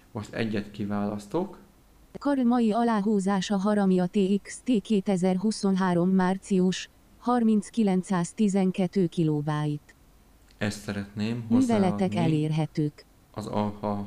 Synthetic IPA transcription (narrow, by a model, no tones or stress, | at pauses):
moʃt̪ɛ̰ɟːɛt̪kivaːlɒst̪ok | kɒrlmɒjiɒlaːɦuːzaːʃɒɦɒɾɒmjɒt̪eːikst̪eːkeːt̪ɛzɛrɦuso̞nɦaːɾo̞mːaːrt̪siuʃ | hɒrmint̪skilɛnt̪saːst̪izɛŋkɛt̪ːøːkiloːvaːjit̪ | ɛst̪sɛɾɛt̪neːmɦnoyːvɛlɛɛkɛleːrɦɛt̪øːk | ɒzɒ̰lfɒ